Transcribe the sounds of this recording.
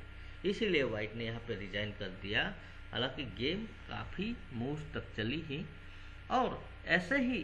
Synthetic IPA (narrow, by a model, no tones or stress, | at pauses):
ɪsilieʋaːɪʈnejɐɦãpeɾɪd͡ʒaːɪnkɐɾd̪ija | ɦa̰ːlãːkiɡeːmka̰ːpʰi | muːst̪ɐk̚t͡ʃɐliɦĩ | ɔːɾ | ɛːseɦi